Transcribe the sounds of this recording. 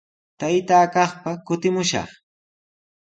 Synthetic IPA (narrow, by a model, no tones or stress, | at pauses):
t̪ajt̪aːkɑχpakʊt̪ɪmʊʃɑ̰χ